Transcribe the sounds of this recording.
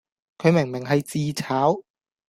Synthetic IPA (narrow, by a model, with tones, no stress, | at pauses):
kʰɵ˨˧˥jmɛ˨˩ŋmɛ˨˩ŋɦa˧jt͡siː˧t͡ɕʰaː˨˥w